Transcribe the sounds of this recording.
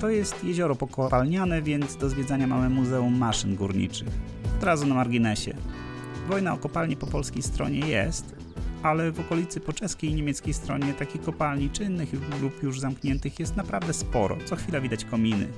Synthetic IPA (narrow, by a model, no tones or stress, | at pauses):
t̪ɔjɛst̪jɛʑɔɾɔpɔkɔpalɲanɛvʲjɛnd̪zd̪ɔzvʲjɛd̪zaɲamamɘmːuzɛumːaʂɘnɡṵɾɲḭt͡ʂɘx | ɔd̪ɾazunamaɾɡʲinɛɕɛ̰ | vɔjnaɔkɔpalɲɛpɔpɔlskʲejst̪ɾɔ̰ɲɛjɛ̰st̪ | alɛvɔkɔlʲit̪sɘpɔt͡ʂɛskʲejɲemʲɛt̪skʲejst̪ɾɔ̰ɲɛt̪akʲikɔpalɲit͡ʂɘnːɘxlupjuʐzamkɲɛnt̪ɘxjɛst̪napɾavd̪ɛspɔɾɔ̰t̪sɔxfʲilavʲid̪at͡ɕkɔmʲinɘ̰